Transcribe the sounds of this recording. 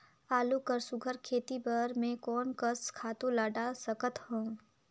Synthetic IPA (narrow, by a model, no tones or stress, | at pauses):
aːlukəɾsʊɡʱəɾkʰeːt̪ibəɾmẽkɔːnkəskʰaːt̪õlaːɖasəkət̪hõː